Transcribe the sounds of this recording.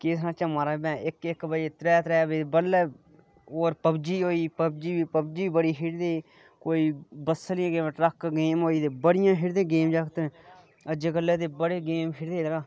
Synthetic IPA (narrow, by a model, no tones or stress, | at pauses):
kɪsnãːt͡ʃãːmaːɾaːbɛ̃ːɪkɪkbəd͡ʒeːt̪ɾɛːt̪ɾɛːbeːbəlːɛː | oːɾpəbd͡ʒiːɦoːiːpəb̚d͡ʒiːiːpəbd͡ʒiːiːbəɽiːɦɪɽd̪eː | koːiːbəsəlɪjãːɡeːmːʈɾəkɡeːmɦoːiːd̪eːbəɽɪjãːɦɪɾd̪ẽːɡeːmd͡ʒaːkt̪ːɛ̃ː | əd͡ʒeːkəlːɛːt̪eːbəɽeːɡeːmkʰɪɾd̪eːləɡaː